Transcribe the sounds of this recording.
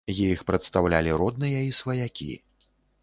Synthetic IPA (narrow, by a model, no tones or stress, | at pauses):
jiixpɾɐt̪st̪awlʲalʲiɾɔd̪nɨjɐisvɐjakʲḭ